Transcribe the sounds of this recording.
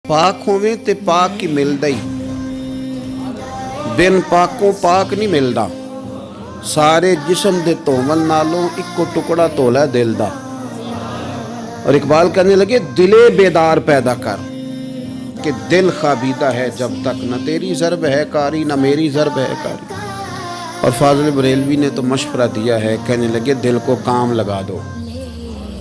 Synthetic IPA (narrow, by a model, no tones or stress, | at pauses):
paːkɦõːʋẽːt̪eːpaːkːiːmɪld̪əiː | bɪnpaːkõːpaːknĩːmɪld̪a̰ː | saːɾeːd͡ʒɪsəmd̪eːt̪õːʋəlːaːlõːʔɪkːoːʈʊkɽaːt̪oːlɛːd̪ɪld̪a̰ː | ɔ̰ːɾɪkbaːlkɛ̃ːneːləɡeːd̪ɪleːbeːd̪aːɾpɛːd̪aːkə̰ɾ | ked̪ɪlxaːbiːd̪aːɦɛːd͡ʒəb̚t̪əknat̪eːɾizəɾbɦɛːkaːɾiːnəmeːɾiːzəɾbɦɛ̰ːka̰ːɾiː | ɔ̰ːɾfʰaːzəlbəɾeːlʋiːnet̪oməʃfəɾaːd̪ijaːɦɛkɛɦneləɡeːd̪ɪlkoːkaːmləɡaːd̪o̰ː